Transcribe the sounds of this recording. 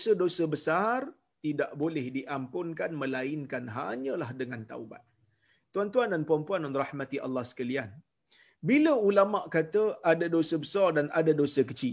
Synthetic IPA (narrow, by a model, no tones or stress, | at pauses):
sədosəbəsar | t̪idaʔbolɛhdiʔampʊŋkanmə̃laɪnkanɦa̰ɲə̃lahdəŋãnt̪a̰uba̰t̪̚ː | uant̪uandanpuampuanɔnrahmat̪iʔa̰lːahsə̥kalian | biləulamaʔkat̪əʔadadosəbəsardanadadosəkət͡ʃi